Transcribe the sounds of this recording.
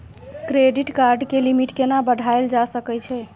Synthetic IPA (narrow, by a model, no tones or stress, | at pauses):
kɾeɖiʈkaɾɖkelimiʈkenabəɖʱaeld͡ʒasəkɛt͡ʃʰɛ